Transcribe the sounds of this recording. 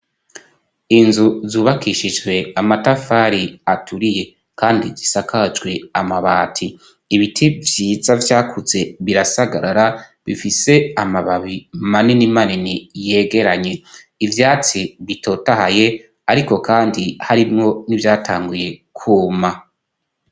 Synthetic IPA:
inzuzuːβakʰiʃid͡ʒɡwe̞amatafaɾiatʰuɾije̞ | kaːndḭzisakʰad͡ʒɡwe̞amaβaːtʰiː | βitʰivjiːzavjaːkʰuze̞βiɾasaɡaɾaɾaβifise̞amaβaβimaninimaninije̞ːɡe̞ɾaɲe̞ | ivjaːt͡siβitʰo̞ːtaɦaje̞ | aɾiko̞kaːndihaɾimŋo̞nivjaːtʰaːŋɡuje̞kʰuːma

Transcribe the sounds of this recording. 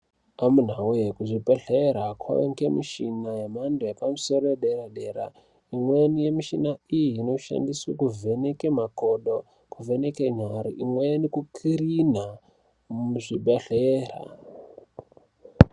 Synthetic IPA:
amun̤aujekuʐibeɬeɾakʰwa̰eŋkemiʃinajemandojepamuso̞ɾojeɗeɾaɗe̞ɾa̰ | imwenije̞miʃinaijiːno̞ʃa̰ndiswakuve̞ne̞kemakoɗo | kuvene̞keɲaɾiʔimwenikukʰiɾin̤a | muʐibeɬeːra̰

